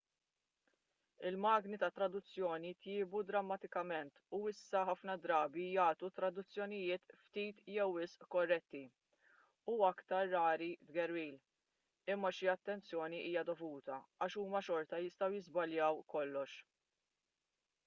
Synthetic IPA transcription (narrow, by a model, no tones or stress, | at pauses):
ɪlmɐːɡnit̪ɐt̪ːɾɐd̪ʊt͡sːjɔːnit̪jɪːbud̪ɾɐmːɐt̪ɪkɐmɛnt̪uɪsːɐħɐfnɐd̪ɾɐːbijɐːt̪ut̪ɾɐd̪ʊt͡sːjɔnɪjɪːt̪ft̪iːt̪jɛwːɪsʔkɔrːɛt̪ːi | uɐkt̪ɐɾːɐːɾid̪ɡɛɾwiːl | ɪmːɐʃiɐt̪ːɛnt͡sjɔːniʔiːjɐd̪ɔvuːt̪ɐɐːʃuːmɐʃɔɾt̪ɐjɪst̪ɐwjɪzbɐljɐwkɔlːɔʃ